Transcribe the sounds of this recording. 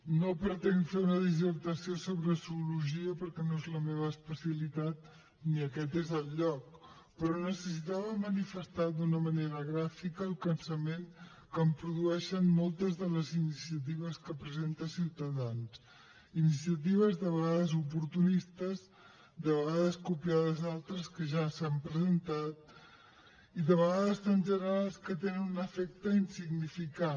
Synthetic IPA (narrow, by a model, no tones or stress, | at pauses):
nopɾət̪ɛnfeunəðis̬əɾt̪əsiosoβɾəsuuluʒiəpəɾkɛnoezləmeβ̞əːspəsiəlit̪at̪̚ | niəkɛt̪ezəlˠʎɔk̚ | pɾɔnəsəsit̪aβəmənifəst̪ad̪unəməneɾəɣɾafikəːlˠkənsəmeŋ | kəmpɾuðuɛʃənmɔlˠt̪əzðələzinisiət̪̬iβ̞əskəpɾəzent̪əsiwt̪əðans | inisiət̪iβəzðəβəɣaðəzup̬uɾt̪unist̪əz | d̪əβəɣaðəskupiaðəzalˠt̪ɾəskəʒasampɾəzənt̪at̪̚ | iðəβəɣaðəst̪anʒənəɾalˠskət̪enənunəfɛk̚t̪əinsiɡnifika